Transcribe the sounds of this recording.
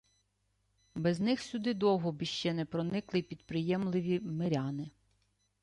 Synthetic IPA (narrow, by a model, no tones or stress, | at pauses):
bɛznɪxsʲʊd̪ɪd̪ɔwɦɔbiʃt͡ʃɛnɛpɾɔnɪklˠɪpʲid̪pɾɪjɛmlˠɪʋʲimeɾʲɑnɪ